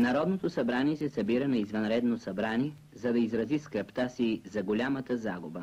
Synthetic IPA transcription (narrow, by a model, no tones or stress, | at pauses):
nɐɾɔd̪not̪osɐbɾaniɛsɛsɐbiɾənɐizvɐnɾɛd̪nosɐbɾaniɛ | zɐd̪ɐizɾɐziskɾɐpt̪asizɐɡolʲamət̪əzaɡʊbə